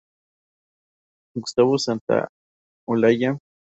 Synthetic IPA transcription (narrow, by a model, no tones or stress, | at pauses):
kst̪aβosant̪a̰ | olaja